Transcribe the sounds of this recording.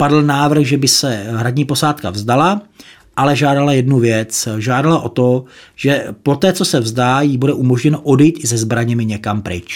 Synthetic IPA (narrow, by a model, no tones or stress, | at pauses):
padl̩naːvr̩ɣʒɛbɪsɛɦɾadɲiːpo̞saːt̪kavzdala | ʔalɛʒaːdalajɛdnuvjɛt͡sʒaːdalaʔo̞t̪o̞ʒ̥ɛpo̞t̪ɛːt͡so̞sɛvzdaːjibudɛʔumo̞ʒɲɛnoʔodɛjit̪ɪzɛzbɾaɲɛmɪɲɛkampɾɪ̰t͡ʃ